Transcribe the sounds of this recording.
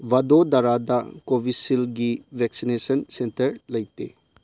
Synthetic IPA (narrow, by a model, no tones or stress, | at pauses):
ʋɐd̪od̪ɐɾad̪akoʋisilɡiʋɛksinesənsẽntəɾlɐjt̪ḛ